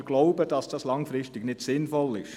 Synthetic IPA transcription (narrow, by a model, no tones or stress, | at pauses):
ɡ̥lɔʊbəd̥ɑsd̥ɑslɑŋfɾɪstɪɡnɪdsɪnfɔlɪʃ